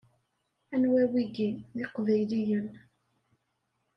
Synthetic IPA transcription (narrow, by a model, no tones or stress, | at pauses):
ænwæwiɡiðɪqvæjlijən